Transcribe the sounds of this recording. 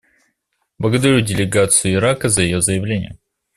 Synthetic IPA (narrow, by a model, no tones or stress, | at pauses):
blˠəɡəd̪ɐɾʲudʲɪlʲɪɡat̪sɨjʊɪɾakəzəjɪjo̞zəjɪvlʲenʲɪ̰jə